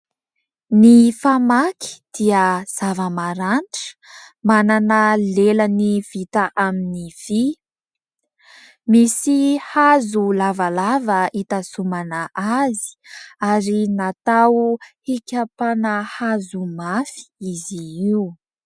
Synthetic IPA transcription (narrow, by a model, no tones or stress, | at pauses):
nifamakʰi̥d̪̥iəz̥avəmaɾaɳʈ͡ʂə̥mananəleləniv̥it̪aʔaminiv̥i | misihazulavalavəit̪asumanəʔazi̥aɾinat̪awhikʲapanəhazumafi̥iziiu